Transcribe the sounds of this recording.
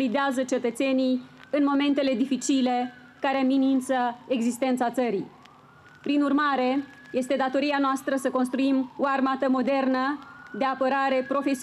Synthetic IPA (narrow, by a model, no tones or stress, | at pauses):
lid̪eazət͡ʃe̞t̪ət̪se̞nijɨnmo̞me̞nt̪e̞le̞d̪ifit͡ʃile̞ | kaɾe̞minint̪səeɡzist̪e̞nt̪sat̪səɾḭ | pɾinurmaɾe̞ | je̞st̪e̞d̪at̪o̞ɾianoast̪ɾəsəko̞ns̬t̪ɾuimoarmat̪əmo̞d̪e̞rnəd̪e̞apəɾaɾe̞pɾo̞fe̞si